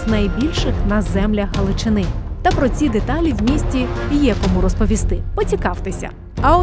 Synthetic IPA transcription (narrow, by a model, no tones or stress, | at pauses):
znɐjbʲilʲʃɪxnɐzɛmlʲɐxɦɐlˠɪt͡ʃɪnɪt̪ɐpɾɔt͡sʲid̪et̪ɑlʲiwmʲisʲtʲijɛkɔmuɾɔspɔʋʲist̪ɪpɔt͡sʲikɑwt̪ɪsʲɐ̰ | ɐɔ